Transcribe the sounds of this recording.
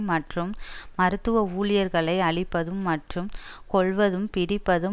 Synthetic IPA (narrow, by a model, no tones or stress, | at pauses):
mɐʈrɯmmɐɾɯt̪ːɯʋɐuːɭɪjɐɾɣɐɭɐɪɐɭɪpːɐðɯmːɐʈrɯmkɔɭʋɐðɯmpɪɽɪpːɐðɯ